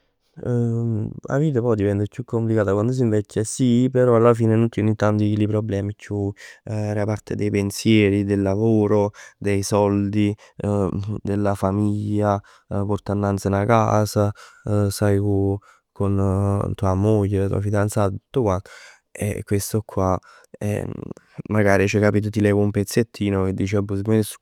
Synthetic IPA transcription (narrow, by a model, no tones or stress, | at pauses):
a̰viːt̪̬apɔjd̪ivɛnt̪ekjukʰːomplikaːt̪akwand̪os̬iɱvɛt͡ʃːesipeɾɔalːafiːnenont̪jɛnint̪ːand̪ikilipɾoblɛːmit͡ʃːuɛɾapaɾt̪ʰed̪ejpensjɛːɾid̪elːavoːɾod̪ejsɔld̪i | d̪elːafamiʎːa | pɔrt̪anːant̪sanaka̰ːzasajku | kont̪uamojːelat̪ṵa̰fid̪ant̪saːt̪et̪ːu̥t̪ːokwant̪o | ɛ̰kːwest̪okʰːwa | ɛ̰ | maɡaːɾit͡ʃɛkːapit̪̬ot̪̬ilɛːɡoumpet̪sːet̪ʰːiːnoked̪ːit͡ʃɛbosiesu̥